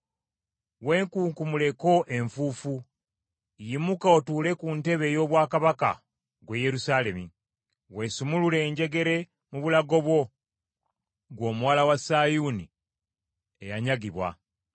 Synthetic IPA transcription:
we̞ːŋkuːŋkumule̞ko̞ʔe̞ɱfufu | jimukao̞tuːle̞kunte̞βe̞jo̞ːβwaːkaβaka̰ | ɡweje̞ɾusaːle̞mi | we̞ːsumulule̞ːɲɟe̞ɡe̞ɾe̞ | muβulaɡo̞βwo̞ | ɡwo̞ːmuwaːlawasaːjuni | e̞̰jaɲaɡiβwa̰

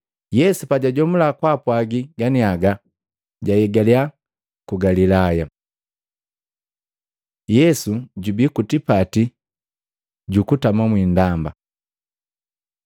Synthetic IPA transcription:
jɛsupaɟaɟɔmulakwapwaɡiɡaniaɡa | ɟajɛɡalia | kuɡalilaja | jɛsuɟubikutipati | ɟukutamamwindamba

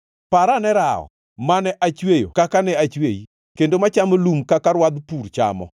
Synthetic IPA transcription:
paɾanɛɾaɔ̰ | manɛʔat͡ʃwejo̰kakanɛat͡ʃweji | kendomat͡ʃamolumkakaɾwad̪puɾt͡ʃa̰mɔ̰

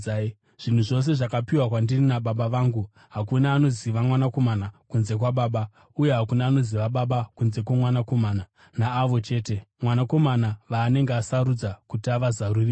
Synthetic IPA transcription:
ʐ̥in̤uʐo̞s̬e̞ʐakapiwakwandirinaɓaɓaʋaːŋɡu | ɦakunaːno̞ziʋamwanako̞manakunze̞k̬waɓaːɓa | uje̞ɦakunaːno̞ziʋaɓaɓakunze̞kwamwanako̞maːna | naːʋo̞t͡ʃe̞ːte̞mwanako̞manaʋaːne̞ŋɡeasaɾud͡zakutiaʋazaruri

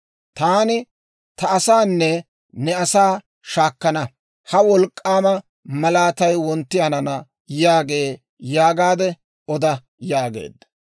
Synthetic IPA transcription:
t̪aːnɪ | t̪ɐɐsaːnːɛ | nɛɐsaː | ʃaːkːɐnɐ | hɐwɔlkʼːaːmɐ | mɐlaːt̪ɐjwɔnt̪ːɪjɐnɐnɐ | jaːɡe̞ː | jaːɡaːd̪ɛ | ɔd̪ɐ | jaːɡḛːd̪ːɐ̥

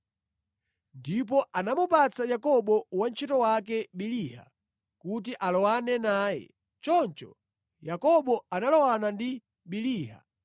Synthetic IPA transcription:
ndip̬ɔʔanamupat͡sajakɔɓɔwant͡ʃʰitɔwak̬ɛɓiliha̰ | kut̬iʔalɔwanɛnaːjɛ̰ | t͡ʃɔnt͡ʃɔ̰ | jakɔɓɔanalɔwanandi | ɓiliːɦa̰

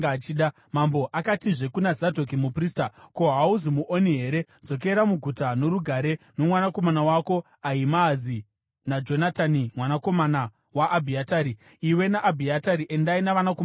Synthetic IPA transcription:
ɡat͡ʃiːɗa | mambo̞ʔakatiʐe̞kunazadʱo̞k̬imupristako̞ɦauzimuʔoniɦe̞ɾe̞ | d͡zo̞k̬e̞ɾamuɡʱutano̞ɾuɡʱaɾe̞no̞mwanako̞manawako̞ | aimazi | nad͡ʒo̞natanimwanakomana | waʔːbʱiataːɾiː | iwe̞naʔːbʱiataɾiʔe̞ndainaʋanakom

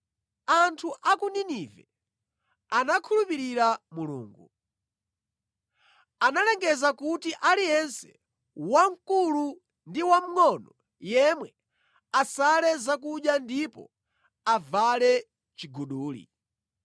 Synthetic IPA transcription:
antʰuʔakuninivɛ | anakʰulupiɾiɾamulṵːŋɡu | analɛŋɡɛzakutiʔalijɛnsɛ̥ | waŋ̩kulu | ndiwam̩ŋɔnɔ | jɛmwɛ | asalɛzakuɗjandipɔ̰ | avalɛ | t͡ʃiɡuɗuːlḭ

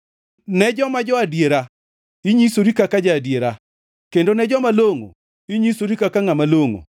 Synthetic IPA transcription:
nɛd͡ʒɔmad͡ʒɔadjeɾa | iɲisoɾikakad͡ʒaːdjeɾa | kendonɛd͡ʒɔmaloŋo̰ | iɲisoɾikakaŋamaloŋo̰

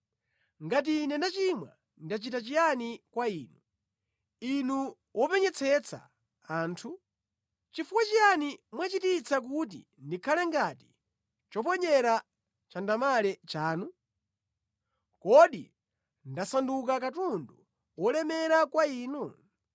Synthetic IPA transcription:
ŋɡat̬inɛnat͡ʃimwa̰ | ndat͡ʃitat͡ʃijanikwaiːnu | inu | wɔpɛɲɛt͡sʰɛt͡sʰa̰ | aːntʰu | t͡ʃifuwat͡ʃijanimwat͡ʃitit͡sʰak̬ut̬ḭ | ndikʰalɛŋɡati̥ | t͡ʃɔp̬ɔɲɛɾa | t͡ʃandamalɛt͡ʃaːnu | kɔɗḭ | ndasanduk̬akatundu | wɔlɛmɛɾakwaiːnu

